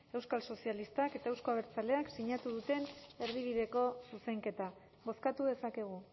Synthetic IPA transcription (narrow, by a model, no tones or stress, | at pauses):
e̞wskalso̞sialist̪ake̞t̪aewsko̞aβ̞e̞ɾt͡sale̞aksiɲat̪uðut̪e̞ne̞ɾðiβ̞iðe̞ko̞suse̞ŋke̞t̪a | βo̞skat̪uðe̞sake̞ɣ̞u